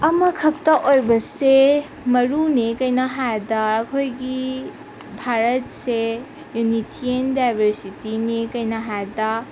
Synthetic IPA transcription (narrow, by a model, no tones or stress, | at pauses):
ɐmɐkʰɐp̚t̪ɐʔojbɐse | mɐɾunekɐjnɐɦad̪ɐːkʰojɡi | bʱaɾɐt̚se | junitʰiendajbʱɐɾsitinekɐjnɐɦad̪ɐ